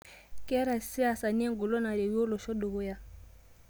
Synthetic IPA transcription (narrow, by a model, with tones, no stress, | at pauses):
kɛ˦ɾa˨si˦a˨sa˨ni˦ɛ˦ŋ˨ɡo˨lɔ˦na˨ɾe˨wo˦lɔ˨ʃɔ˦ɗo˨ɣo˦ja˦